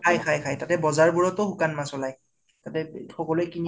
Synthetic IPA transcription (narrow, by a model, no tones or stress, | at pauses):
ajkʰajkʰajtatɛbɔzaɹbuɹɔtɔxukanmasɔlaj | tatɛxɔkɔlojkini